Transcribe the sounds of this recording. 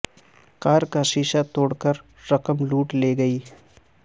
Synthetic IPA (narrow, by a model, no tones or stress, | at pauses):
kaːɾkaʃiːʃat̪oːɽkəɾː | ɐkəmluːʈleːɡɐiː